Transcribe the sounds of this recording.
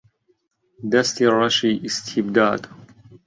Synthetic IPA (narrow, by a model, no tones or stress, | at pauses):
d̪ɐst̪ʰirˤɑʃiːʔist̪ʰibd̪aːd̪